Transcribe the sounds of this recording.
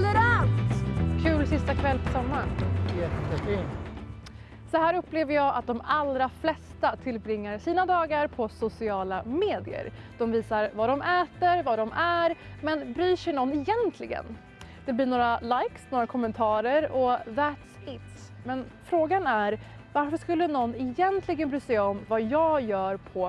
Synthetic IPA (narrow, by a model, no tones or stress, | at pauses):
lɛɾat̪kʰʉ̟ːlsɪst̪akʰvɛlːpʰɔsɔmːajɛt̪ːət̪ɛkɪ | sɔhæːɾɵpːleːvəɾjɑːʔa̰t̪̚d̪ɔmalɾaflɛst̪at̪ʰɪlbɾɪŋːəɾsiːnad̪ɑːɡaɾpʰɔsʊsɪɑːlameːd̪ɪə̰ɾd̪̥ɔmviːsaɾvad̪ɔmʔɛːt̪əɾvad̪ɔmʔæɾmɛnbɾyːʂɛjnɔnːɪjɛnt̪ʰlɪɡə̰n | d̪̥ɛblɪnoːɾalajksnoːɾakʰɔmːɛnt̪ʰɑːɾəɾɔðæt̪sɪt̪s | mɛnfɾoːɡanæɾ | vaɾfœʂkɵlːənɔnːɪjɛnt̪ʰlɪɡənbɾyːsɛɔmvajɑːɡjœːɾpʰɔ